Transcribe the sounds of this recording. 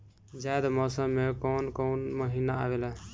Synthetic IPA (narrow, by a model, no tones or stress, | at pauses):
d͡ʒajd̪amɔsəmːekoːnkonməɦinaa̰wela